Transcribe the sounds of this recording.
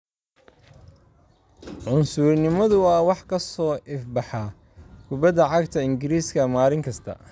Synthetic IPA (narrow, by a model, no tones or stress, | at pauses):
ʕʊnsʊrnɪmɐðʊɐwɑħkʰɐsɔːʔɪfbɑħɑ | kʰʊbɐðɐʕɑɡt̪ʰɐɪŋɡɪɾiːskʰɐmaːlɪŋkʰɐst̪ʰɐ̰